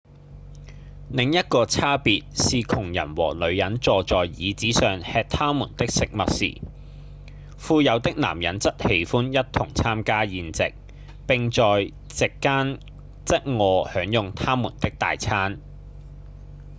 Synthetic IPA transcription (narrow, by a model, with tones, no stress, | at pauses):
nɪ˨˧ŋjɐ˥t̚kɔː˧t͡sʰaː˥piː˨˧t̚siː˨kʰʊ˨˩ŋjɐ̰˨˩nwɔ̰ː˨˩lɵ˨˧ɥjɐ˨˥nt͡sɔː˨t͡sɔː˨jjiː˨˧t͡siː˨˥sœː˨ŋhɛː˧t̚t̪ʰaː˥muː˨˩nt̪ɪ˥k̚sɪ˨k̚mɐ˨t̚sḭː˨˩ | fuː˧jɐ˨˧wt̪ɪ˥k̚na̰ː˨˩mjɐ˨˥nt͡sɐ˥t̚he˨˧˥jfuː˥njɐ˥t̚t̪ʰʊ˨˩ŋt͡sʰaː˥mkaː˥jiː˨˧nt͡sɪ̰˨k̚ | pɪ˨ŋt͡sɔː˨j | t͡sɪ˨kːaː˥n | t͡sɐ˥t̚ŋɔː˨˧hœː˨˥ŋjʊ˨ŋt̪ʰaː˥muː˨˩nt̪ɪ˥k̚t̪a̰ː˨jt͡sʰaː˥n